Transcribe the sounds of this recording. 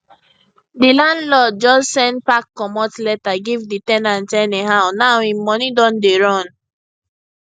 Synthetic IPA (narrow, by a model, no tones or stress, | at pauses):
dilãndlɔd͡ʒɔssɛ̃npakːɔmɔtlɛtaɡivditɛ̃nãntɛneɦaʊnaʊĩmɔnidɔ̃ndeɹɔ̃n